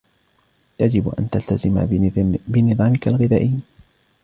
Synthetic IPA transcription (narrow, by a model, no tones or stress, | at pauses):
jad͡ʒɪbʔa̰nt̪alt̪azɪma̰bɪnɨðˤɑːmɪkalɣɪðaːʔɪjː